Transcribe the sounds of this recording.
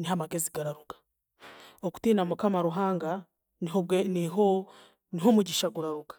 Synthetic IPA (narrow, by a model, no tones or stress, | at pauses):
niɦamaɡeziɡaɾaɾuɡḁ | oku̥tiːnamukamaɾuɦaːŋɡa | niɦo | niɦomuɟiʃaɡuɾaɾuɡḁ